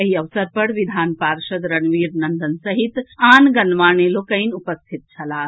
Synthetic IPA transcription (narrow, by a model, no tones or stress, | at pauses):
ɐɦiɐʋsɐɾpɐɽʋid̪ʱaːnpaːɾʃɐd̪ɾɐnʋiːɾnɐnd̪ənsɐɦit̪aːnɡɐnʋaːɳelokɐinupɐst̪ʰit̪̚t͡ʃʰɐlaː